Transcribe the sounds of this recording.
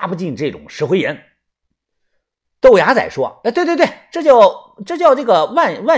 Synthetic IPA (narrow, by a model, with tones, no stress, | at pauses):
pu˧t͡ɕi˥˧nʈ͡ʂɤ˥˩ʈ͡ʂʊ̰˨˩ŋʂɻ̩˧˥xwe˥jɛ˧˥n | t̪o˥˩ʊja˧˥t͡sa̰˨˩ɪʂwɔ̰˥˧˩t̪we˥˧t̪wtwɪʈ͡ʂɤ˥˧t͡ɕjɑ˥˩ʊ | ʈ͡ʂɤ˥˧t͡ɕjɑ˥˧ʊʈ͡ʂɤ˥˩ɡə˩wa˥˧nwa˥˩